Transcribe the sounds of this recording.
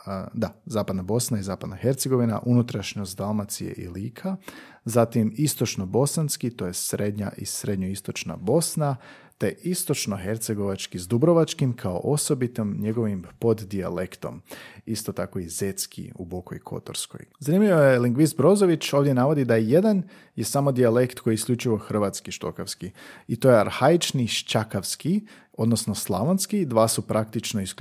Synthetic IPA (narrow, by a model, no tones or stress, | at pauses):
d̪azaːpad̪nabo̞snaizaːpad̪naxe̞ɾt̪seɡo̞ʋina̰ʔunut̪ɾaʃɲosd̪almat̪sijḛʔḭliːkʰa | zat̪imist̪o̞t͡ʃnobo̞sanskit̪o̞je̞sɾe̞d̪ɲa̰ʔisɾe̞d̪ɲoist̪o̞t͡ʃna̰bo̞sna | t̪e̞ist̪o̞t͡ʃno̞xe̞ɾt̪seɡo̞ʋat͡ʃkizd̪ubɾo̞ʋat͡ʃkimkʰao̰ʔo̞so̞bit̪omɲe̞ɡo̞ʋimpo̞d̪d̪ia̰lekt̪o̞̰mist̪o̞t̪ako̞izet̪skʰḭṵboko̰jkʰo̞̰t̪o̰ɾsko̞̰jzanimlʲiʋojeliŋɡʋist̪bɾo̞zo̞ʋit͡ʃo̞ːʋd̪ʲje̞naʋo̞d̪id̪aje̞d̪an | je̞saːmo̞d̪iale̞kt̪kʰo̞jiːsklʎʲut͡ʃiʋo̞xr̩ʋat̪skiʃt̪o̞̰kaskiit̪o̞jeaɾhait͡ʃniʃt͡ʃakaʋski | o̞d̪no̞snoslˠaʋonskid̪ʋaːsupɾʔakt̪it͡ʃno̞isk